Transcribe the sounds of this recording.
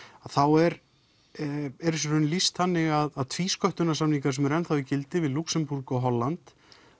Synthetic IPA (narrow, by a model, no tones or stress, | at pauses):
aðθawɛɾ | ɛɾɪs̬ɾʏnlist̪θanːɪɣaðaðt̪ʰviːskœht̪ʏnasamniŋkaɾsɛmɛɾɛnθawðɪcɪlt̪ɪvɪðluksɛmpuɾkɔɦɔlːant̪